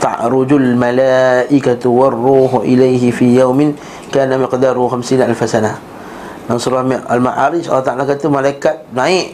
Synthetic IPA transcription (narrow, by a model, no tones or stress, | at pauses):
t̪ɑ̰ʔɾʊd͡ʒʊlmalaʔɪkat̪warːuːɦʔɪlajɦɪfiːjawmɪn | kaːnamɪqd̪aːɾʊxamsiːnʔalfasanah | nansuɾama̰lma̰ʕaɾɪsɑ̰lːɑt̪aʕalakat̪umalaikat̪̚naɪʔ